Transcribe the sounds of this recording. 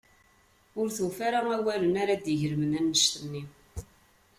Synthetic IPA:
ʊɾθuwfaɾaæwæɾənaɾad̪jəʝəɾəmənænːəʃt̪ənːi

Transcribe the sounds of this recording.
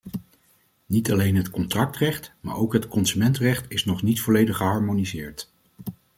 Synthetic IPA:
nitɑlejnɦətkɔntrɑk̚trɛχtma̰ːɹʔowkɦətkɔnsymɛntrɛχtɪsnɔχnitfɔlejdəχəɦɑːɹmonizɪːɹt

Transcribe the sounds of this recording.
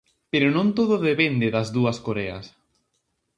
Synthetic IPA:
peɾonõnt̪oðoðepend̪eðɐzðuɐskoɾɛɐ̰s

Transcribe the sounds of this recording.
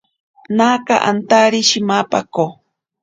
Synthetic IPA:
naːkaʔa̰nt̪aɾiʃimapako

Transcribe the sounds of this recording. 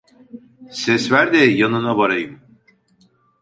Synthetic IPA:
sɛsvæɾd̪ɛjanɯnabaɾajɯm

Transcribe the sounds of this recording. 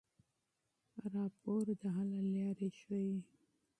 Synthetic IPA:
ɾɑpʰoɾd̪əɦalaljɑɾeʃwaji

